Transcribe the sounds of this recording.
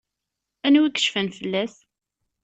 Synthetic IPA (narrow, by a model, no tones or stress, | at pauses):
ænwikːə̥ʃfənfəlːæs